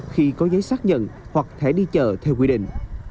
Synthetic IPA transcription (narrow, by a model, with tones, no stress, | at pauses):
xi˧kɔ˨˦zə˨˦jsaː˦˥k̚ɲə̰˧˨nhwa˨˩k̚t̪ʰɛ˧˩ɗi˧t͡ɕəː˨˩t̪ʰɛ˧wkwi˧ɗḭ̈˧˨ŋ̟